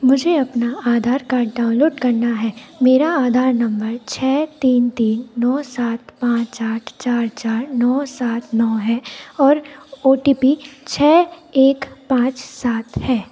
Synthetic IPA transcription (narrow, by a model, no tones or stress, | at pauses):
mʊd͡ʒʱeɐpnaaːd̪ʱaːɾkaːɖaːʊ̃nloːɖkɐɾnaɦɛːmeːɾaaːd̪ʱaːɾnɐ̃mbəɾt͡ʃʰɛːt̪iːnt̪iːnːɔːsaːt̪pãːt͡ʃaːʈʰt͡ʃaːɾt͡ʃaːɾnɔːsaːt̪ʰnɔːɦɛːɔːɾoːʈiːpit͡ʃʰɛːeːkpãːt͡ʃsaːt̪ʰhɛː